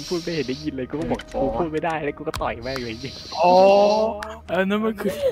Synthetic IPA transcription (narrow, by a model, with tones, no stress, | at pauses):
np̪ʰuː˥˩kaː˧˩jhe˨˩˦nda˧˩jɲi˧nləː˧kːkɔː˥˩ɓɔː˨˩k̚ʰuː˨˧˩kʰuː˧˥˩maː˧˥˩jdaː˥˩jlɛː˦˥kuː˧˩kɔː˥˩t̪ɔ˨˩jmɛː˧˩ŋlaː˨˩˦ɲi˧˥˩ʔɔː˨˩˦ | ʔaː˧˩nɛː˦˥nma˥nkʰɯ˧˩